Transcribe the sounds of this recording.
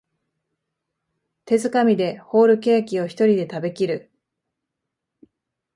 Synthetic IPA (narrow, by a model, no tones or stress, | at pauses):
t̪e̞zɨkamʲid̪e̞ho̞ːɾɯ̟ke̞ːkʲio̞çi̥t̪o̞ɾʲid̪e̞t̪abe̞kʲiɾɯ̟